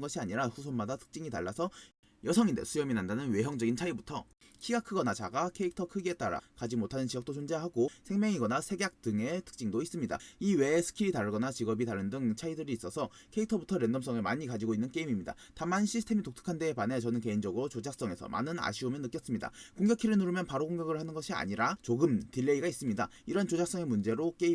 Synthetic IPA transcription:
nɡʌɕʰiaɲiɾasʰusʰonmadatʰɯ̥k̚t͡ɕ͈iŋita̰ɭːasʰʌ | jʌsʰʌŋindḛsʰujʌminandanɯnwe̞ɦjʌŋd͡ʑʌɡint͡ɕʰaibutʰʌ | kʰiɡakʰɯɡʌnat͡ɕaɡakʰe̞ik̚tʰʌkʰɯɡie̞t͈aɾa̰kad͡ʑimotʰanɯnt͡ɕiʌk̚t͈ot͡ɕond͡ʑeɦaɡosʰe̞ŋmjʌŋiɡʌnasʰe̞ɡjak̚t͈ɯŋe̞tʰɯ̥k̚t͡ɕ͈iŋdois͈ɯmɲida̰iwe̞ːsʰɯ̥kʰiɾitaɾɡʌnat͡ɕiɡʌbitaɾɯndɯŋt͡ɕʰaidɯɾiːs͈ʌsʰʌ | kʰe̞ik̚tʰʌbutʰʌɾe̞ndʌms͈ʌŋɯɭma̰ɲikad͡ʑiɡoinːɯnk͈e̞imimɲida̰ | tamanɕʰisʰtʰe̞mitoktʰɯ̥kʰandepane̞t͡ɕʌnɯnke̞ind͡ʑʌɡɯɾot͡ɕod͡ʑak̚s͈ʌŋe̞sʰʌ̰mʔa̰nɯna̰ɕʰiomjʌnːɯk͈jʌs͈ɯmɲida̰koŋɡjʌkʰiɾɯnuɾɯmjʌnpaɾokoŋɡjʌɡɯɭhanɯnɡʌɕʰia̰ɲiɾat͡ɕoɡɯmtiɭːe̞iɡais͈ɯmɲida̰ | iɾʌnt͡ɕod͡ʑak̚s͈ʌŋe̞mund͡ʑe̞ɾok͈e̞i

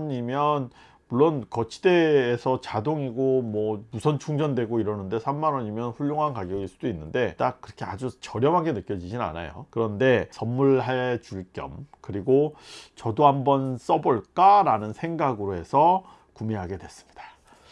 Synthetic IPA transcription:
ɲimjʌn | muɭːonkʌt͡ɕʰi̥de̞ːsʰʌt͡ɕadoŋiɡomwʌmusʰʌnt͡ɕʰuŋd͡ʑʌndwe̞ɡoiɾʌnɯnde̞sʰamːanwʌɲimjʌnɸuʎːoŋɦankaɡjʌɡiɭs͈udoinːɯnde̞t͈ak̚k͈ːɯɾʌkʰe̞a̰d͡ʑut͡ɕʌɾjʌmɦaŋɡe̞nɯk͈jʌd͡ʑid͡ʑina̰na̰jo̰kɯɾʌnde̞sʌmːuɭɦaɭt͡ɕuɭk͈jʌ̰mkɯɾiɡot͡ɕʌdohambʌns͈ʌboɭk͈aɾanɯnsʰe̞ŋɡaɡɯɾoɦe̞sʰʌ | kumeɦaɡe̞dwe̞s͈ɯ̥mɲid̥a

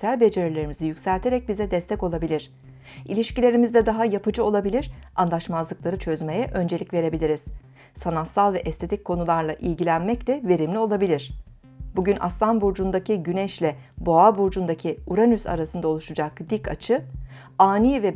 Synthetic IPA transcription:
ælʲbe̞d͡ʒe̞ɾilʲe̞ɾimizijycsælʲt̪ʰe̞ɾɛc̚bizɛd̪ɛst̪ʰɛco̞lˠabilʲiɾ̝̥ | ʔḭlʲiʃcilʲeɾimizd̪ɛd̪aɦajapʰɯd͡ʒɯo̞lˠabilʲiɾ̥anlˠaʃmazlˠɯklˠaɾɯt͡ʃʰø̞zme̞jɛʔø̞nd͡ʒe̞lʲicʲve̞ɾe̞bilʲiɾiz̥ | sanat̪salˠvɛʔɛst̪ʰe̞t̪ʰic̚kʰːo̞nulˠaɾlˠaʔilʲɟilʲænmɛc̚t̪ɛve̞ɾimlʲio̞lˠabilʲiɾ̝̥ | buɟyna̰st̪anbuɾd͡ʒund̪acʰiɟynɛʃlʲɛbo̞abuɾd͡ʒund̪acʰiuɾanysa̰ɾasɯnd̪ao̞lˠuʃud͡ʒakd̪ikʰat͡ʃʰɯ | aːniːvɛ

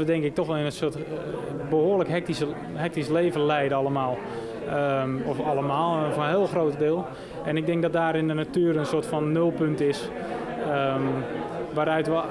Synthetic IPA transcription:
ədɛŋkɪk̚tɔxʋɛlˠɪnənsot | bəhoːləkɦɛk̚tisə | hɛk̚tisleːvənlɛjdɑlˠəmaːlˠ | əɔfɑlˠəmaːlˠfɔnɦɪːlˠxroːtədɪːlˠ | ʔɛnɪɡ̚dɛŋk̚dɔt̚daːɾɪndənatyːɾənsoətfɔnːølˠpøntɪs | ə | ʋaːɾœɥtʋə

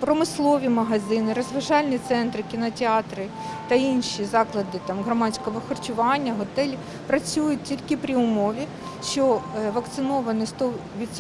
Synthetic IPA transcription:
pɾɔmɪslˠɔʋʲimɐɦɐzɪnɪɾɔzʋɐʒɑlʲnʲit̪sɛnt̪ɾɪkʲinɐtʲeɑt̪ɾɪ | t̪ɐinʃizɑklˠɐd̪ɪt̪ɑmɦɾɐmɑt͡sʲkɔʋɔxɔrt͡ʃʊʋɑnʲːɐɦɔt̪ɛlʲi | pɾɐt͡sʲujʊt̚ʲtʲilʲkɪpɾʲiʊmɔʋʲi | ʃt͡ʃɔʋɐkt̪sɪnɔʋɐnɪst̪ɔ | ʋʲit̪s

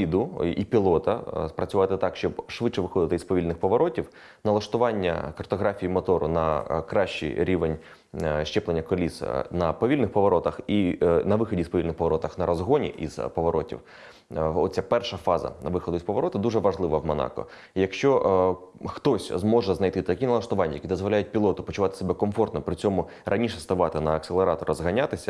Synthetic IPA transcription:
id̪ʊipʲilˠɔt̪ɐspɾɐt͡sʲʊʋɑt̪ɪt̪ɑkʃt͡ʃɔbʃʋɪt͡ʃɛʋɪxɔd̪ɪt̪ɪispɔʋʲilʲnɪxpɔʋɔɾɔtʲiw | nɐlˠɐʃt̪ʊʋɑnʲːɐ̰kɐrt̪ɔɦɾɑfʲijimɔt̪ɔɾʊ̰nɐkɾɑʃt͡ʃḭɾʲiʋenʲ | ʃt͡ʃɛplˠenʲːɐkɔlʲisnɐpɔʋʲilʲnɪxpɔʋɔɾɔt̪ɐxinɐʋɪxɔdʲispɔʋʲilʲnɪxpɔʋɔɾɔt̪ɐxnɐɾɔzɦɔnʲḭʔḭzpɔʋɔɾɔtʲḭw | ɔt͡sʲapɛrʃɐfɑzɐ̰nɐʋɪxɔd̪ʊispɔʋɔɾɔt̪ɪd̪uʐɛʋɐʒlˠɪʋɐwmɔnɑ̰kɔ̰ | jɐkʃt͡ʃɔ | xt̪ɔsʲzmɔʒɛznɐjt̪ɪt̪ɐkʲinɐlˠɐʃt̪ʊʋɑnʲːɐjɐkid̪ɔzʋɔlʲajʊt̚ʲpʲilˠɔt̪ʊpɔt͡ʃʊʋɑt̪ɪ̥sebɛkɔmfɔrt̪nɔpɾɪt͡sʲɔmʊ | rʔɐnʲiʃɛst̪ɐʋɑt̪ɪnɐːkselˠeɾɑt̪ɔɾɐzɦɐnʲat̪ɪsʲɐ

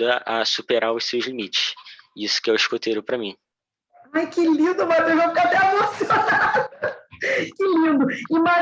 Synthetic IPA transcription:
ɐʔɐsupeɾaʊʃsewʒlimit͡ʃɪ̥ʃisʊ̥kɪɛwɪʃkot̪ejɾʊpɾɐmĩ | ajkɪlĩnd̪ʊmat̪ewʒãfikat̪ɛamɐ̃sonad̪ʊ | kɪlĩnd̪ʊɪma

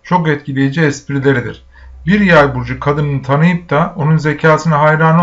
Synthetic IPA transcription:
t͡ʃʰo̞kɛt̪̚cʰilʲejid͡ʒiɛspʰiɾilʲe̞ɾid̪ḭɾ̥ | biɾjajbuɾd͡ʒukʰad̪ɯnɯnɯt̪ʰanɯjɯp̚t̪ʰao̞nunze̞cʰaːsʰɯnaɦajɾan

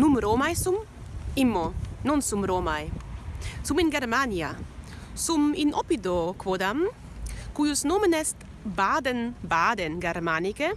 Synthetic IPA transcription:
numɾomajsum | imːonɔnsumɾoːmaj | suminɡeɾmania | suminopid̪okvod̪am | kujusnomenɛst̪ | bad̪enbaːd̪enɡeɾmanike

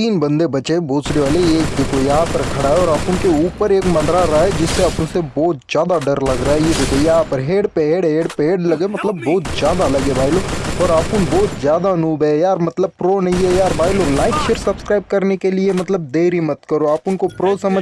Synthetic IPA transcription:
iːnbɐ̃nd̪ebɐt͡ʃeboːt͡ʃneʋaːleeːk̚d̪ɪkojɐɦãpɐɾkʰɐɽaɦɛɔːɾaːpʊnkeuːpəɾeːkmɐ̃nd̪ɾaɾaaed͡ʒɪsːeaːpʊnsebɔːt̪z̥jaːd̪aɖɐɾlɐɡɾaːejebɪd̪əjɐɦãpɐɾɦeːɽpeɦeːɽɦeːɽpeːɽlɐɡemɐt̪ləbːɔːt̪zjaːd̪alɐɡebaːɪloɔːɾaːpʊnbɔːt̪zjaːd̪anuːbɛjaːɾmɐt̪ləb̚pɾoːnɐɦĩɦɛjaːɾbaːɪlolaːɪkʃeɾsɐbskɾaːɪb̚kɐɾnekeliemɐt̪ləb̚d̪eːɾimɐt̪kɐɾoaːpʊnkopɾoːsɐmə

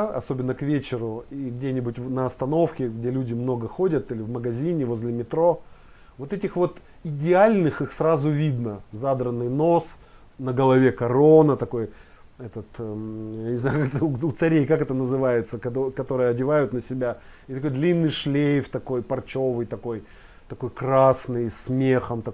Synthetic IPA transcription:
ɐ̰so̞bʲɪnːəkvʲet͡ɕɪɾʊiɡdʲenʲɪbʊtʲnəɐst̪ɐno̞fkʲɪɡdʲelʲudʲɪmno̞ɡəxo̞dʲət̪ilʲɪvməɡɐzʲinʲɪvo̞zʲlʲɪmʲɪt̪ɾo̞ | vo̞t̪ɛtʲɪxvo̞t̪ | ɪdʲɪalʲnɨxɨxsɾazʊvʲid̪nəzad̪ɾənːɨjno̞s | nəɡəlˠɐvʲe̞kɐɾo̞nət̪ɐko̞j | ɛt̪ət̪janʲɪznajʊkt̪əʊt̪sɐɾʲejkakɛt̪ənəzɨvajɪt̪səkɐokɐt̪o̞ɾɨjəɐdʲɪvajʊt̪nəsʲɪbʲaɪt̪ɐkojd̪lʲinːɨjʂlʲejft̪ɐko̞jpɐrt͡ɕo̞vɨjt̪ɐko̞j | t̪ɐko̞jkɾasnɨjsmʲe̞xəmt̪ɐ

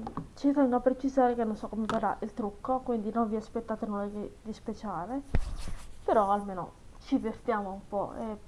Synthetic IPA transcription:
t͡ʃit̪ɛŋɡoapɾet͡ʃizaːɾekenːonsɔkːomevaɾaʔilt̪ɾukːokwind̪inonviaspɛt̪ːat̪enoleɡid̪ispet͡ʃaːle | peɾɔalmeːno̰ | t͡ʃivert̪jaːmoumpɔ̰ḛ

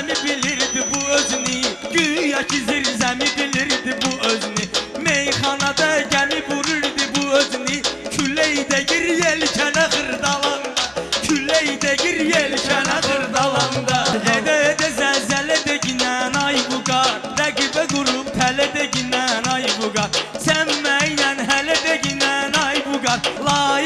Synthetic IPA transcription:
mibiliɾd̪ibuøzyniɟyjɑcʰiziɾzæmibiliɾd̪ibuøzynimejχɑnɑd̪ɑɟæmibuɾuɾd̪ibuøzynicʰylːejd̪eɟiɾjelcʰænæɣɯɾd̪ɑlˠɑnd̪cʰylːejd̪eɟiɾjelcʰænæɣɯɾd̪ɑlˠɑnd̪ɑed̪ɛed̪ɛzæzælɛd̪ɛɟinænɑjbuɡɑɾɾæɡibæɡuɾupt̪ʰælɛd̪eɟinænɑjbuɡɑɾsænmæjnænɦælɛd̪eɟinænɑjbuɡɑɾlˠɑː

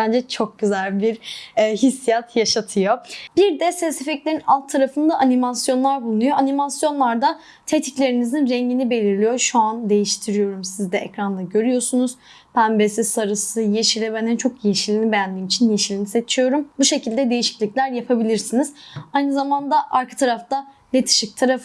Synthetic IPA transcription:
bænd͡ʒɛt͡ʃʰo̞k̚ɟyzælʲbiɾɦisːijat̪ʰjaʃat̪ʰɯjo̞b̥iɾd̪ɛsɛsefɛclʲeɾinalˠt̪ʰːaɾafɯnd̪aʔanimasjo̞nlˠaɾbulˠunujo̞ʔanimasjo̞nlˠaɾd̪a | t̪ʰet̪ʰiclʲe̞ɾinizinɾɛɲɟinibe̞lʲiɾlʲijo̞ʃuand̪e̞jiʃt̪ʰiɾijo̞ɾumsizd̪ɛɛcɾanlˠaɟø̞ɾyjo̞sunuz̥ | pʰænbesisaɾɯsɯjeʃilʲɛbɛnɛnt͡ʃʰo̞kjejeʃilʲinʲibejænd̪iːmit͡ʃʰinjeʃilʲinise̞t͡ʃʰijo̞ɾumbuʃe̞cilʲd̪ɛd̪e̞jiʃi̥clʲicʲlʲæɾjapʰabilʲiɾsiniz̥ajnɯzamand̪aʔaɾkʰḁt̪ʰaɾaft̪a | lʲet̪ʰi̥ʃic̚t̪ʰaɾaf

